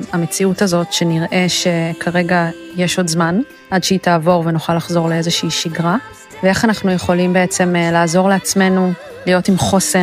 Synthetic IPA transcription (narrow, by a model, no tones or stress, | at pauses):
ame̞t͡siutazo̞tʃe̞niʁʔe̞ʃe̞kʰaʁe̞ɡajeʃo̞dzman | ʔadʃeitaːvo̞ʁvenuχalːaχzo̞ʁleezeʃiːʃiɡʁa | vee̞χanaχnujeχo̞limbe̞et͡se̞mlaːzo̞ʁleat͡sme̞nu | lijo̞timχo̞se